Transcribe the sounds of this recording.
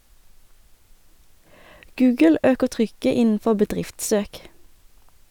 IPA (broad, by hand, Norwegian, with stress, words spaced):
ˈɡʉːɡəl ˈøːkəʁ ˈtʁʏkə ˈɪnn̩ˌfɔ bəˈdʁɪftˌsøːk